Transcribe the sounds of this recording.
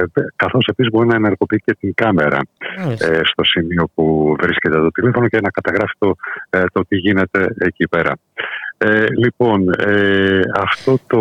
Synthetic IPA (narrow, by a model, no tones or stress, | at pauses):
kɐθo̞se̞pisizbo̞ɾinɐeneɾɣo̞piice̞t̪iŋkɐme̞ɾɐ̰est̪o̞simio̞puvɾiscet̪et̪o̞t̪ile̞fo̞nocenɐkɐt̪ɐɣɾɐfi̥t̪ot̪o̞t̪iʝine̞t̪e̞ecipe̞ɾɐ̰ | elipo̞neɐft̪o̞t̪o